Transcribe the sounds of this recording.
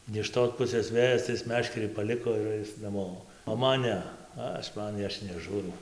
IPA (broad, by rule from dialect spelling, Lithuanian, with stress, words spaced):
nʲɛ ɪʃ ˈtoːs ˈpʊsʲeːs ˈʋʲeːjɛs tɐɪ ˈɪs ˈmʲæːʃʲkʲɛrʲiː pɐˈlʲɪkoː ɪr ˈɐɪs nɐˈmoː oː ˈmɐn ˈnʲɛ ˈɐʃ ˈmɐn ˈɐʃ nʲɛˈʒuːrɐʊ